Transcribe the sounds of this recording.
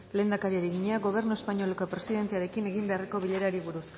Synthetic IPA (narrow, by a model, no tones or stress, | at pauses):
le̞ːnd̪akaɾiaɾeɣiɲeaɣo̞β̞e̞ɾnue̞spaɲo̞leko̞pɾe̞siðe̞nt̪e̞aɾe̞kine̞ɣ̞imbe̞areko̞βiʎe̞ɾaɾiβuɾus